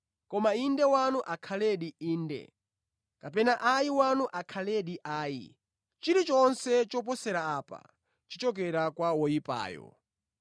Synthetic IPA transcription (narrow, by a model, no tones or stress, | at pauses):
kɔmaindɛwanuʔakʰalɛɗiiːndɛ̰ | kapɛnaʔajiwanuʔakʰalɛɗiʔaːjḭ | t͡ʃiɾit͡ʃɔnsɛt͡ʃɔp̬ɔsɛɾaːpa̰ | t͡ʃit͡ʃɔk̬ɛɾakwawɔjipa̰ːjɔ̰